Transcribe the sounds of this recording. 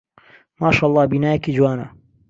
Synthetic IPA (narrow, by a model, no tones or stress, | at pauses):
maːʃaːʔɑlˤˠːɑːbiːnaːjɛkiːd͡ʒwaːnɐ̰